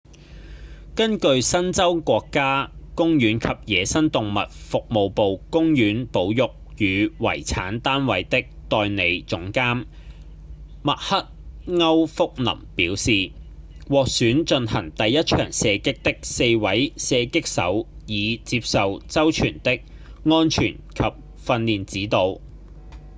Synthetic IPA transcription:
kɐ˥nkɵ˧ɥsɐ˥nt͡sɐ˥wkʷɔː˧kːaː˥kʊ˥ŋjyː˨˥nkʰɐ˨p̚jɛː˨˧sɐ˥nt̪ʊ˨ŋmɐ̰˨t̚fʊ˨k̚mo˨˧wpo˨wkʊ˥ŋjyː˨˥npo˨˥wjʊ˨k̚jyː˨˧wɐ̰˨˩jt͡sʰa̰ː˨˥nt̪aː˥nwɐ˨˥jt̪ɪ˥k̚t̪ɔː˧jne˨˧jt͡sʊ˨˥ŋkaː˥m | mɐ˨k̚hɐ˥t̚ŋɐ˥wfʊ˥k̚nɐ̰˨˩mpiː˨˥wsiː˨wɔː˨k̚syː˨˥nt͡ʃɵ˧nhɐ˨˩ŋt̪ɐ˨jːɐ˥t̚t͡ʃʰœ̰ː˨˩ŋsɛː˨˧kɪ˥k̚t̪ɪ˥k̚se˧jwɐ˨˥jsɛː˨˧kɪ˥k̚sɐ̰˨˥wjiː˨˧t͡siː˧p̚sɐ˨wt͡sɐ˥wt͡ʃʰyː˨˩nt̪ɪ˥k̚ | ŋɔː˥nt͡ʃʰy̰ː˨˩nkʰɐ˨p̚ | fɐ˧nliː˨nt͡siː˨˥t̪o˨˧w

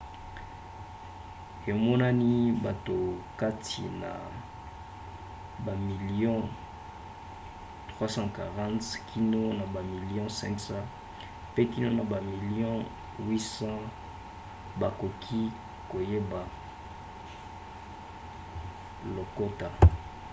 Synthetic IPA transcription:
e˨mɔ˦na˦ni˦ba˨to˨ka˦tʰḭ˨na̰˨ | ba˨mi˨li˦jɔ̃˦ | tʁwa˦sɑ̃˦ka˨ʁã˦tkʰi˦no˦na˨ba˨mi˨li˦ɔ̃˦sɛ̰̃˦ksã˦ | pe˦ki˦no˦na˨ba˨mi˨li˦ɔ̃˦ | wi˦sã˦ | ba˨ko˨kʰi˦ | ko˨je˦ba˨ | lo˨ko˦ta˨

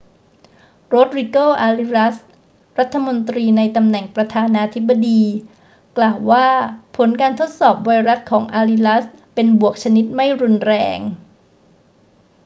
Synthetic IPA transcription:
ɾo˦˥t̪̚ɾi˧koː˥˩ʔaː˧li˧ɾa˦˥s | ɾa˦˥t̪ʰːa˧mo˧nt̪ɾiː˧na˧jt̪a˧mnɛ˨˩ŋpɾa˧t̪ʰaː˧naː˧t̪ʰi˦˥bːa˧diː˧ | klaː˨˩wːaː˥˩pʰo˩˦nkaː˧nt̪ʰo˦˥t̪̚sɔː˨˩p̚wa˧jɾa˦˥t̪̚kʰɔː˩˦ŋʔaː˧li˧la˦˥spe˧nbu˨˩ək̚t͡ɕʰa˧ni˦˥t̪̚ma˥˩jɾu˧nɾɛː˧ŋ

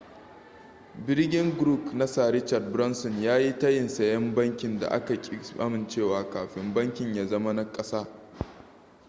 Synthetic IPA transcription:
bɪ˦rɡʲɪ˦ŋɡɾuː˦˨kna˦saː˨ɾɪ˦t͡ʃa˨d̚bɾɔ˦nsɔ˨njaː˦ji˦tɐ˦jɪ˨nsɐ˨jɐ˦mbɐ˦ŋkʲɪ˨nda̰˨ʔa̰˦ka˨kʲʼɪ˦sʔa˦mɪ˨nt͡ʃeː˦˨waː˨kaː˨ɸɪ˨mbɐ˦ŋkʲɪ˨ɲjaː˨zɐ˦ma˦na˦kʼɐ˦saː˦

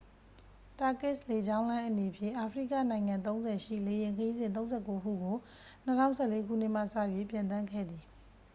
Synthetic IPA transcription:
ta˨kɪ˦˨sle˨d͡ʑã˦ʊ̃lã˦ʔəne˨pʰjɪ̰̃˦˨ʔa˨pʰəɹḭ˦˨kä̰˦˨nã˨ɪ̃ŋã˨nt̪̬õ˦ʊ̃nzɛ˨ʃḭ˦˨le˨jɪ̃˨ŋkʰəji˦zɪ̃˨nt̪õ˦zɛ̰˦˨ko˦kṵ˦˨ɡo˨ | n̥ə˦tʰã̰˦˨ʊ̃sʰɛ̰˦˨le˦ɡʰṵ˦˨n̥ɪ˦ʔm̥ä̰˦˨sä̰˦˨jwi˦˨pjã˨t̪ã˦ŋɡʰɛ̰˦˨d̪i˨

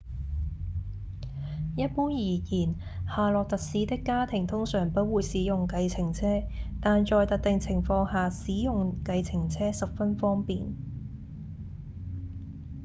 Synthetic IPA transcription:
jɐ˥t̚puː˥njiː˨˩jiː˨˩n | haː˨lɔː˨k̚t̪ɐ˨k̚siː˨˥t̪ɪ˥kːaː˥t̪ʰɪ˨˩ŋt̪ʰʊ˥ŋsœː˨˩ŋpɐ˨˥t̚wuː˨˧jsiː˨˥jʊ˨ŋkɐ˧jt͡sʰɪ˨˩ŋt͡sʰɛː˥t̪aː˨nt͡ʃɔː˨˧jt̪ɐ˨˥k̚t̪ɪ˨ŋt͡sʰɪ˨˩ŋfɔː˧ŋhaː˨siː˨˥jʊ˨ŋkɐ˧jt͡sʰɪ˨˩ŋt͡sʰɛː˥sɐ˨p̚fɐ˥nfɔː˥ŋpiː˨n

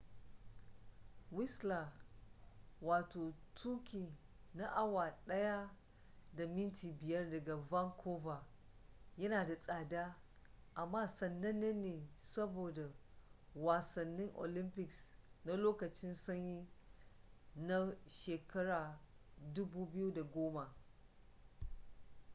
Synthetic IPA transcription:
wɪ˦sla˨ | waː˨toː˨tʰuː˦kʲiː˨ | na˦ʔa˦waː˨ɗɐ˦ja˦ | da˨mɪ˦ntʰiː˨bɪ˨jɐ˦rdɐ˨ɡa˨vɐ˦ŋkʰoː˦va˨ | jɐ˦naː˨da˨sʼaː˨daː˦ | ʔa˨mːaː˦sɐ˨nːɐ˦nːe˦nːeː˨sɐ˦boː˨da˨waː˨sɐ˨nːɪ˦ŋʔo̰˨lɪ˦mpɪ˨ksna˦loː˦kɐ˨t͡ʃɪ˦nsɐ˦ɲji˦ | na˦ʃeː˨kɐ˦ɽaː˨dʊ˦buː˦bɪ˦ju˦da˨ɡʷoː˦ma˨

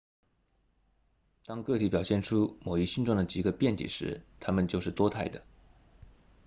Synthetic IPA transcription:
t̪ɑ˥ŋkɤ˥˩t̪ʰi˧˥pjɑ˨˩ʊɕjɛ˥˩nʈ͡ʂʰu˥mo˨˩ʊi˥ɕi˥nʈ͡ʂʊ˥˩ŋd̪ə˩t͡ɕi˨˩ɡə˧pjɛ˥˩nt̪ʰḭ˨˩ʂɻ̩˧˥t̪ʰa˥mə˨nt͡ɕjo˥˧ʊʂɻ̩˥˩t̪wɔ˥t̪ʰa˥˩ɪd̪ə˩

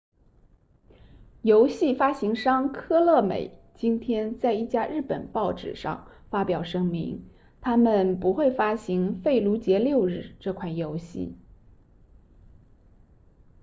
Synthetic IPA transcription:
jo˧˥ʊɕi˥˩fa˥ɕi˧˥ŋʂɑ˥ŋkʰɤ˥lɤ˥˩mḛ˨˩˦ɪ | t͡ɕi˥nt̪ʰjɛ˥nt͡sa˥˧ɪi˥˩t͡ɕja˥ɻɻ̩˥˩pə̰˨˩npɑ˥˩ʊʈ͡ʂɻ̩̰˨˩ʂɑ̰˥˩ŋfa˥pjɑ˨˩ʊʂɤ˥ŋmḭ˧˥ŋ | t̪ʰa˥mə˨npu˧˥xwe˥˩ɪfa˥ɕi˧˥ŋfe˥˩ɪlu˧˥t͡ɕjɛ˧˥ljo˥˧ʊɻɻ̩˥˧ʈ͡ʂɤ˥˧kʰwa˥˩ɪjo˧˥ʊɕḭ˥˩

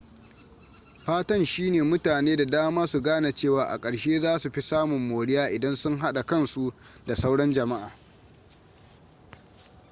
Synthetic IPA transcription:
ɸaː˦tɐ˦nʃiː˦neː˨mʊ˦taː˨neː˦da˨daː˦maː˦su˨ɡaː˦na˨t͡ʃeː˦˨waː˨ʔa̰˨kʼɐ˨ɽʃeː˦zaː˦su˨ɸi˦saː˦mʊ˨mːoː˨ɽɪ˦jaː˦ʔɪ˨dɐ˦nsʊ˦ŋɦa˦ɗa˨kɐ˦nsu˦ | da˨sa˦wɽɐ˦nd͡ʒɐ˨ma˦ʔaː˨

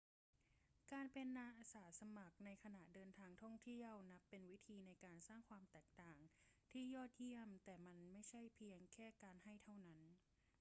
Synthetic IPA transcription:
kaː˧npe˧nːaː˧ʔaː˧saː˩˦sa˧ma˨˩k̚na˧jkʰa˧na˨˩ʔdɤː˧nt̪ʰaː˧ŋt̪ʰɔ˥˩ŋt̪ʰi˥˩əwna˦˥pːe˧nwi˦˥t̪ʰiː˧na˧jkaː˧nsaː˥˩ŋkʰwaː˧mt̪ɛː˨˩k̚t̪aː˨˩ŋt̪ʰiː˥˩jɔː˥˩t̪̚ji˥˩əmt̪ɛː˨˩ma˧nma˥˩jt͡ɕʰa˥˩jpʰi˧əŋkʰɛː˥˩kaː˧nha˥˩jt̪ʰa˥˩wna˦˥n

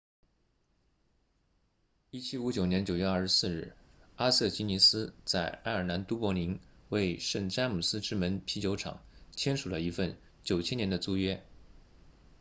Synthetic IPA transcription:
i˥t͡ɕʰi˥u˧˥t͡ɕjo˨˩ʊnjɛ˧˥nt͡ɕjo˨˩ʊɥɛ˥˧ɐ˞˥˩ʂ̩˧˦sɹ̩˥˧ɻɻ̩˥˩a˥sɤ˥˩t͡ɕi˧˥ni˧˥sɹ̩˥t͡sa˥˧ɪa˥ɪə˞˨˩na˧˥nt̪u˥pwɔ˧˥li˧˥ŋwe˥˧ɪʂə˥˩ŋʈ͡ʂa˥nmu˨˩sɹ̩˥ʈ͡ʂɻ̩˥˩mə˧˥npʰi˧˥t͡ɕjo˧˥ʊʈ͡ʂʰɑ̰˨˩˦ŋt͡ɕʰjɛ˥nʂu˨˩lə˦i˧˥fə˥˩n | t͡ɕjo˨˩ʊt͡ɕʰjɛ˥njɛ˧˥nd̪ə˧t͡su˥ɥɛ˥

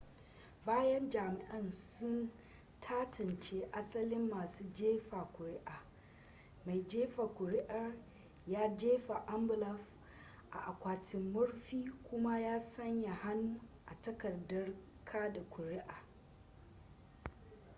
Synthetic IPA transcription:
baː˦jɐ˦nd͡ʒaː˨mɪ˨ʔɐ˦nsʊ˦n | tʰaː˦tʰɐ˨nt͡ʃeː˦ʔa˦sɐ˦lɪ˦mːaː˨suː˦d͡ʒeː˦ɸaː˨kʷʊ˨ɾɪ˦ʔaː˨ | ma˨jd͡ʒeː˦ɸaː˨kʷʊ˨ɾɪ˦ʔɐ˦r | jaː˦d͡ʒeː˦ɸa˨ʔɐ˦mbɪ˨lɔ˦ɸ | ʔa̰˨ʔa˨kʷaː˨tɪ˨mːʊ˦ɽɸiː˦kʷʰʊ˦ma˦jaː˦sɐ˦ɲja˨ha˦nuː˦ʔa˨tɐ˦kɐ˨rdɐ˦r | kʰaː˦da˨kʷʰʊ˨ɾɪ˦ʔaː˨

